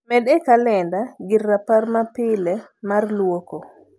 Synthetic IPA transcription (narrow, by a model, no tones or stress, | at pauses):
mɛdɛkalɛndaɡɪrːaparmapɪlɛ | marlwoko